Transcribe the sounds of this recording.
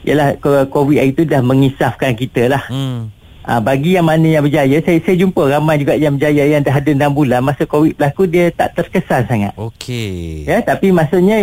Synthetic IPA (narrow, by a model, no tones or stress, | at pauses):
ijʔə̰lahkokowiʔ̪ait̪udahmə̃ŋisafkankit̪əlah | ʔa̰baɡijaŋmanə̃jãŋbəd͡ʒajasajəsajəd͡ʒumpəɾamajd͡ʒuɡaʔjaŋbəd͡ʒajajaŋdaɦadənambulanmasəkowiʔ̪̚bəlakudiət̪a̰ʔt̪ərkəsansaŋa̰t̪̚okʰejət̪apimasuʔɲə̃